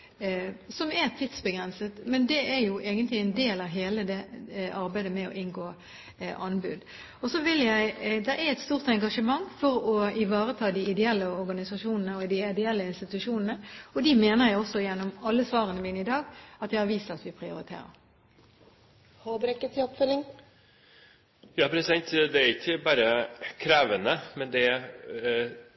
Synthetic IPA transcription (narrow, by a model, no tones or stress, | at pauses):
sɔmɛʁt̪ʰɪt̪sbəɡʁɛnsət̪mɛnd̪ɛæɾjʊʔeːɡənt̪lɪæɪnd̪eːlɑʋɦeːləd̪ɛʔɑɾbæɪd̪əmɛɔ̰ʔɪnɡoː | ʔɑnbʉd̪ | ɔsɔʋɪljæɪd̪ɛɾʔæɾɛt̪st̪uːʁt̪ɛŋɡɑʂəmɑŋːfɔɾɔɪʋɑːʁət̪ʰɑːd̪ɪɪd̪ɛɛlːəɔʁɡɑnɪsɑʂuːnənəɔd̪ɪɪd̪əɛlːəɪnst̪ɪt̪ʉʂuːnən̩əɔd̪ɪmeːnəʁjæɪɔsːɔjɛnːɔmɑlːəsʋɑːʁənəmɪnɪd̪ɑːɡɑt̪jæɪhɑʁʋiːst̪ɑt̪ʋɪpʰʁɪʊɾɪt̪ʰḛːɾə̰ʁ | hɑbɾɛkːət̪ʰɪɔpfœlːɪŋ | jɑːpʰɾɛsɛt̪d̪ɛæɾɪçːəbɑːɾəkʰɾeːʋənəmɛnd̪ɛ